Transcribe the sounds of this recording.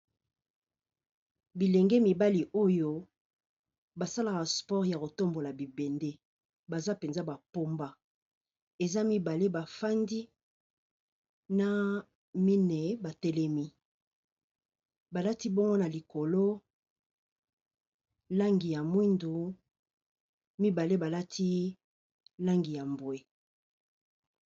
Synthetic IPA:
bi˨lɛ˨ŋɡɛ˦mi˨ba˦li˨ʔo˦jo˦ | ba˨sa˦la˨ka˨spɔ˦ʁja˨ko˨to˦mbo˨la˨bi˨bɛ˨nde˦ | ba˨za˦pe˨nza˦ba˨po˦mba˦ | e˨za˦mi˦ba˨le˦ba˨fa˦ndi˦ | na˦ | mi˦ne˨ba˨tɛ˦lɛ˦mi˦ | ba˨la˦ti˦bo˦ŋɡo˦na˨li˨ko˨lo˦ | la˦ŋɡi˨ja˨mwi˦ndu˨ | mi˦ba˨le˦ba˨la˦tʰi˦ | la˦ŋɡi˨ja˨mbwe˨

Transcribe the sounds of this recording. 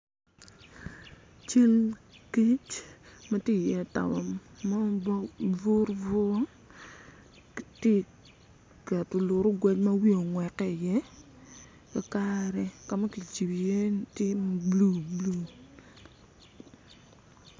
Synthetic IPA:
t͡ʃi˦nki˦t͡ʃma˦tje˦˨jɛ˦˨ta̰˨mɔ˨a˦ | vo˦ɾvo˦ | te˦˨ | kɛ˨tʊ˨lʊ˨ɾʊ˦ɡwɛ˦t͡ʃma˦wi˦o˨ŋwɛ˨kːɛ˦˨jɛ˦ | ka˨ka˦ɾɛ˨ka˨ma˦ki˨t͡ʃi˨bi˨je˦n˨tɪ˦m˦blu˦˨blu˦

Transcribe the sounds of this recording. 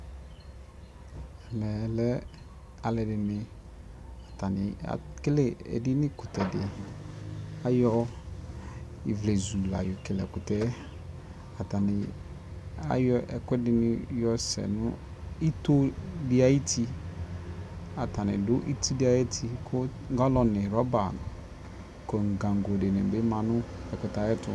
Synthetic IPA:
ɛ˨mɛ̃˨lɛ˦ | a˨lɛ˨dɪ˨mɪ̃˨ | a˨tʰa˨nɪ̰̃˨a̰˨kɪ˦lɪ˦ɛ̰˨dɪ˦nɪ̃˦kʊ˨tʰɛ˨dɪ̰˨ɛ˨ | a˦jɔ˦ | i˨vle˨zu˨la̰˨jʊ˨kɪ˨lɛ̰˨kʊ˨tɛ˦ | a˨ta˨nɪ̃˨ | a̰˦jɔ˦ʔɛ̰˨kɛ˦dɪ˨nɪ˦jɔ˦sɛ̰˨nʊ̰˦ | i˦to˦dɪ˦a˨˦i˦tʰi˦ | a˨ta˨nɪ̰˨dʊ˦ʔi˦ti˦di˦a˨je˦tʰi˦kʰʊ˦ | ŋ˦ɡa˦lɔ˨nɪ˨ɾɔ˦ba˨nʊ̰˨ | ko˨ŋ̩˨ɡã˨ŋ˨ɡo˨de˨nɪ˨be˦mã˨nʊ̃˦ɛ˨kʊ˨ta˨jɛ˦tʊ̰˨

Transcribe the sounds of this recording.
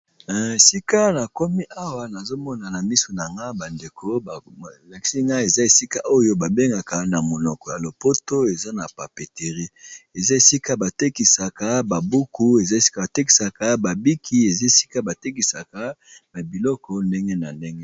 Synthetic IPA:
na˨e˨si˦ka˦na˨ko˦mi˦ʔa˦wa˨na˨zo˦mɔ˦na˨na˨mi˦so˨na˨ŋɡa˦ba˨nde˨kʰo˦ba˨la˨ki̥˦si˦ŋɡa˦e˨za˦e˨si˦ka˦ʔo˦jo˦ba˨be˦ŋɡa˨ka˨na˨mo˨nɔ˨kɔ˨ja˨lo˨po˦to˦e˨za˦na˨pa˨pe˨te˨ʁi˦e˨za˦e˨si˦ka˦ba˨te˦ki˨sa˨ka˦ba˨bu˦ku˦e˨za˦˨sa˨te˦ki̥˨sa˨ka˦ba˨bi˦kʰi˦e˨za˦e˨si̥˦ka˦ba˨te˦ki˨sa˨ka˨˦na˨bi˨lɔ˦kɔ˦nde˦ŋɡe˦na˨nde˦ŋɡe˦

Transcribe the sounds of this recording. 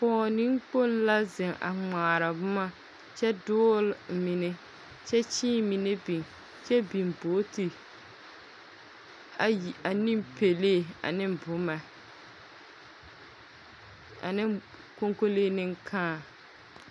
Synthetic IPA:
pɔː˨˦nɪ˦ŋk͡po˦˨n˦la˦zɪ˨ŋʔa̰˨ŋ͡maː˨ɾa˨bʊ˦ma˦ | t͡ʃɛ˦dʊː˦lmɪ˨ne˦ | t͡ʃɛ˦t͡ʃiː˦mi˨ne˦bi˨ŋ | t͡ʃɛ˦bi˨mboː˨˦ti˨ | a˨ni˦mpe˨leː˦˨a̰˨nɪ˦mbʊ˨˦ma˨ | nɪ˦ | ko˦ŋko˦leː˦nɪ˦ŋkʰaː˦˨

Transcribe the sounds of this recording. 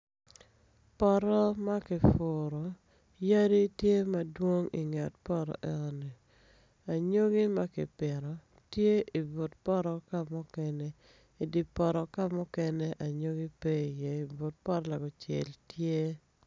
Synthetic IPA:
pɔ˦ɾɔ˦ma˦kɪ˨fʊ˨ɾɔ˨ | ja˦di˦tje˦ma˦dwo˦ŋḭ˨ŋɛ˨tpɔ˦ɾɔ̰˨ʔɛ˨˦nɔ˦ni˨ | a˨ɲo˦ɡi˦ma˦kɪ̰˨pɪ˨ɾɔ˨ | tje˦ʔi˨bo˨tpɔ˦ɾɔ˦ka˦mʊ˦kɛ˦nɛ˦ | i˨di˨pɔ˨ɾɔ˨ka˦mʊ˦kɛ˦nɛ˦ʔa˨ɲo˦ɡi˦pe˦i˨jɛ˨i˨bo˨t̚pɔ˦ɾɔ˦la˨ɡɔ˨t͡ʃɛ̰˨ltje˦

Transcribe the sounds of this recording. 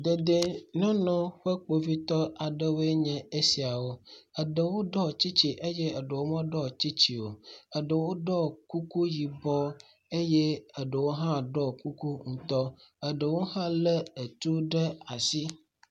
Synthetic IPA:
d̪e˨d̪e˨nɔ̃˦nɔ̃˦ɸə˦k͡po˨vi˦t̪ɔ˦a˨ɖə˦wo˦e˦ɲɛ̃˨e˦si˨a˨wo˦ə˨ɖə˨wo˦ɖɔ˦˨t͡ɕi˦t͡ɕi˨ʔe˦je˦ə˨ɖə˨wo˦mɔ̃˦ɖɔ˦t͡ɕi˦t͡ɕi˨wo˨ə˨ɖə˨wo˦ɖɔ˦ku˦ku˦ji˨bɔ˦ | e˦je˦ə˨ɖə˨wo˦ɦã˦ɖɔ˦ku˦ku˦ŋ̩̃˨t̪ɔ˦ə˨ɖə˨wo˦ɦã˦lə˦ə˨t̪u˦ɖə˦a˨si˦

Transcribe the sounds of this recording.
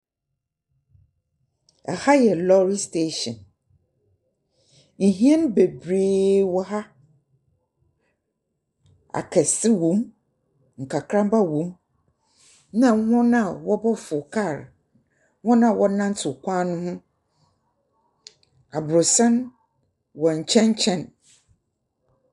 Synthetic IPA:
ɛ˨ha˦jɛ˨lɔ˦ɾi˦ste˦ʃɔ̰̃˨n | ŋ̩˨ɦĩ˦ɛ˦ñ˦be˨bɾeː˦wɔ˦ɦa˦ | a̰˨kʰɛ˨sɪ˦wõ˨˦m | ŋ̩˨kʰa˨kʰɾã˦mba˦wõ˨˦m | nã˨˦hɔ̃˦nã˦˨wɔ˦bɔ˦fʊ˨kʰa˦˨ɾ | hɔ̃˦nã˨wɔ˦nã˦n̩˦tʰʊ˨kʰʷãː˦nʊ̃˦hʊ̃˦ | a˨bʊ˨ɾʊ˨sã˦n | wɔ̃˨ɲ̩˨t͡ɕʰɛ̃˦n˦t͡ɕʰɛ̃˦n

